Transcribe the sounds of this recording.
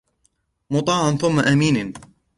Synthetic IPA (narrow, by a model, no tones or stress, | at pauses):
mʊt̪ˤɑːʕanθʊmːaʔamiːn